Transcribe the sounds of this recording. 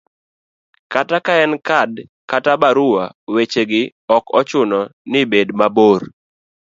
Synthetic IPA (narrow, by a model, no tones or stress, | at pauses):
katakaɛnkadkatabaɾʊwawet͡ʃeɡɪ | ɔkɔt͡ʃʊnɔnɪbedmaboɾ